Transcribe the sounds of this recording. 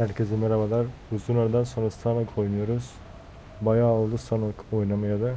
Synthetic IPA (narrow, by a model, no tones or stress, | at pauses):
hæɾcʰezimeɾabalˠaɾuzunˠaɾd̪anso̞nɾast̪ʰanakʰo̞jnujo̞ɾuz̥ | bajaːlˠɯsʰanɯkojnamɯjad̪a